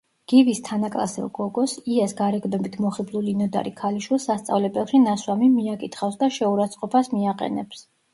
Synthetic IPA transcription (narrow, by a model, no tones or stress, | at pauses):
ɡ̥ivist̪ʰanakʼla̰sɛ̰lˠɡɔɡɔsiɛsɡaɾɛɡnɔbit̪ʰmɔχiblˠulinɔd̪a̰ɾikʰaliʃwilˠsast̪sʼa̰vlɛbɛlˠʃinaswamimiakʼit̪ʰχafsd̪aʃɛuɾat̪sʼqʼɔpʰasmiaqʼɛ̰nɛps